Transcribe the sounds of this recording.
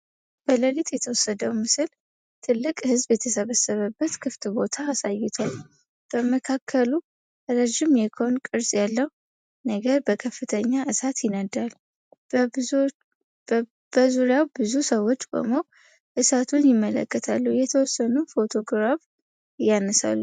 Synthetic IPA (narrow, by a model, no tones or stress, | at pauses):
b̥ələlit̪jɛt̪ʰəwɔsːəd̪əwmɨsɨl | t̪ʰɨlːɨkʼhɨzbjɛt̪ʰəsəβəsːəβəbːət̪kʰɨft̪ʼbo̞t̪ʰaːsajɪt̪ʰal | b̥əməkʰakʰːəlu | ɾəʒɪmjɛkʰəonkʼɨɾsʼjalːəh | nəɡəɾbəkʰəfːɨt̪ʰəɲːaʔɨsat̪jɪnəd̪al | b̥əzuɾjawbɨzusəwːo̞t͡ʃːbə̰mow | ʔɨsat̪ʰunjɪmːələ̰kːət̪ʰa̰lːuhjɛt̪ʰəwɔsːənufo̞t̪ʰo̞ɡɾaf | janəsa̰lːu